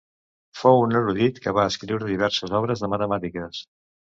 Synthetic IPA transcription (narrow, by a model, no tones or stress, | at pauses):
fowunəɾuðit̪kəβaəskɾiwɾəðiβ̞ɛɾsəzɔβɾəzðəmət̪əmat̪ikəs